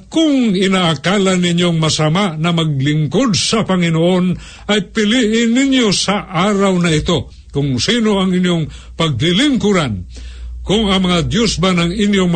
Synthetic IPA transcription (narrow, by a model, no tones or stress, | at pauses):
kʊŋɪnaʔakalanːɪnjoŋmɐsamaʔnɐmaɡ̚lɪŋkod̪̚sɐpaŋɪnoʔon | ʔɐjpɪliʔɪnːɪnjosaʔaːɾawnɐɪt̪o | kʊŋsiːnoɐŋɪnjoŋ | pɐɡ̚lɪlɪŋkuɾankʊŋɐŋmɐŋad̪josbanɐŋɪnjoŋm